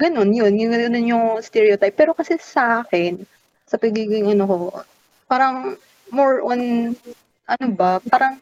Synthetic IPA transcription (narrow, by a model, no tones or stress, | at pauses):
ɡɐno̞njo̞njʊŋɡɐɡɐno̞nɲoŋst̪ɛɹiot̪ajpːɛːɾo̞kɐsɛsɐʔaːkɛn | sɐpɐɡiːɡɪŋʔɐnoko̞ | paːɾɐŋ | moɹʔon | ʔɐnobɐpaːɾɐŋ